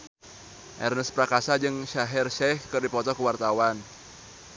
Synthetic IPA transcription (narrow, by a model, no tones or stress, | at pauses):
ʔɛ̰rnəspɾakasad͡ʒɨŋʃaɦɪrʃɛhkɨrdipɔt̪ɔkəwart̪awan